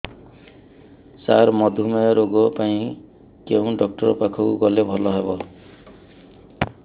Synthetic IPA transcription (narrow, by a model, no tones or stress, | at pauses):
saɾmɔd̪ʱumaɾoɡɔpaĩ | kew̃ɖɔk̚ʈɔɾɔpakʰɔkuɡɔlebʱɔlɔɦebɔ